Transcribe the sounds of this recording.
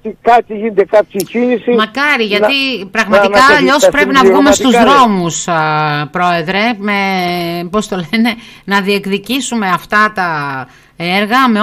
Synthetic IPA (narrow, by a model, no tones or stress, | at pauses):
ikɐt̪iʝined̪ekɐpcicinisimɐkɐɾiʝɐt̪ipɾɐɣmɐt̪ikɐːʎo̞spɾe̞pinɐvɣume̞st̪uzðɾo̞muspɾo̞e̞ðɾe̞mepo̞st̪o̞lene̞nɐðie̞kðicisume̞ɐft̪ɐt̪ɐ | e̞ɾɣɐme̞